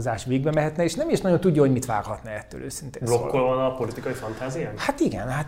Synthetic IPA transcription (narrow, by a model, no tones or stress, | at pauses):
zaːʃʋeːɡ̚bɛmɛɦɛt̪nɛeːʃnɛmiʃnɒɟjo̞nt̪uɟːɒɦoɟmit̪ʋa̰ːrhɒt̪nɛɛt̪ːø̰ːlʔø̰ːsint̪eːblokːolvɒnɒpo̞lit̪ikɒifɒnt̪aːzijahat̪iɡɛ̰nhat̪